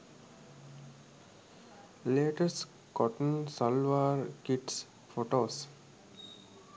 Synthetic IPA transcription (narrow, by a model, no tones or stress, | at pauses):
leːʈəsʈ | kɔʈənsɔlʋaːɾkiʈs | foːʈoːs